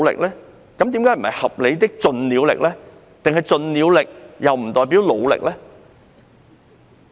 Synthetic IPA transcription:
lɪ̰˨k̚lɛː˥ | kɐ˨˥mt̪̬iː˨˥mkaː˨˥jm̩˨˩hɐ̰˨jhɐ˨p̚le˨˧jt̪ɪ˥k̚t͡sɵ˧nliː˨˧wlɪ̰˨k̚lɛː˥ | t̪ɪ˨ŋhɐ˨jt͡sɵ˨˧nliː˨˧wlɪ˨k̚jɐ˨wm̩˨˩t̪ɔː˨˩jp̬iː˨˥wlo˨˧wlɪ̰˨k̚lɛː˥

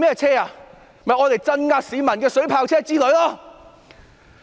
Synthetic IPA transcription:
mɛː˥t͡sʰɛː˥aː˨˧ | mɐ˨jŋɔː˨˧t̪e˨jt͡sɐ˧nŋaː˧k̚siː˨˧mɐ˨˩nkɛː˧sɵ˨˥ɥpʰaː˧wt͡sʰɛː˥t͡siː˥lɵ˨˥ɥlaː˥

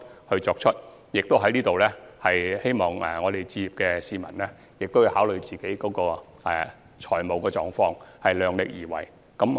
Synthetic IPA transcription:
hɵ˧ɥt͡sɔː˧k̚t͡ʃʰɵ˥t̚ | jɪ˨k̚t̪o˥wɦɐ˨˥jniː˥t̪o˨wlɛː˥hɐ˨jhe˥jmɔː˨˩ŋɛ˨˩ŋɔː˨˧d̪e˨jt͡siː˧jiː˨p̚kɛː˧siː˨mɐ˨˩nlɛ˥ | jɪ˨k̚t̪o˥wji˨˧whaː˨˥wlɵ˨˧ɥt͡siː˨ke˨˥jkɔː˨˥kɔː˧ | ɛ̰˨˩ | t͡ʃʰɔː˨˩jmo˨˧wkɛː˧t͡sɔː˨˧ŋfɔː˧ŋhɐ˨jlœː˨˧ŋlɪ˨k̚jiː˨˩wɐ̰˨˩j | kɐ˨˥m

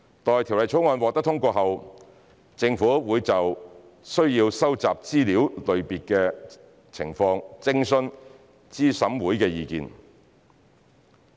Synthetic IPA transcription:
t̪ɔː˨jt̪ʰi˨˩wlɐ˨jt͡sʰo˨˥wŋɔː˧nwɔː˨k̚t̪ɐ˥t̪ʰʊ˥ŋkʷɔː˧ɦɐ˨w | t͡sɪ˧ŋfuː˨˥wuː˨˧jt͡sɐ˨w | sɵ˥ɥjiː˧wsɐ˥wt͡saː˨p̚t͡siː˥liː˨˥wlɵ˨ɥpiː˨t̚kɛː˧ | t͡sʰɪ̰˨˩ŋfɔː˧ŋt͡sɪ˥ŋsɵ˥n | t͡siː˥sɐ˨˥mwuː˨˥jkɛː˧jiː˨˧kḭː˨˧n

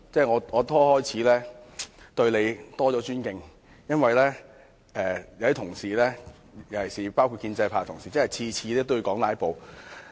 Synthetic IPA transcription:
t͡sɛː˥˩ŋɔː˨˧ŋɔː˨˧t̪ʰɔː˥hɔː˥jt͡sʰiː˨˥lɛː˥ | t̪ɵ˧ɥle˨˧jt̪ɔː˥t͡sɔː˨˥t͡ʃyː˥nkɪ˧ŋ | jɐ˥nwɐ˨jlɛː˥ | ɛː˨˧jɐ˨˧wd̪i˥t̪ʰʊ˨˩ŋsiː˨˩lɛː˥ | jɐ˨˩wjɐ˨˩siː˨˩paː˥wkʰu˧kiː˧nt͡sɐ˧jpʰaː˨˧t̪ʰʊ˨˩ŋsiː˨˩t͡sɐ˥hɐ˨˩jt͡sʰiː˧t͡sʰiː˧lɛː˥t̪o˥wu˧kɔː˨˥ŋlaː˨˧˥jpo˨w

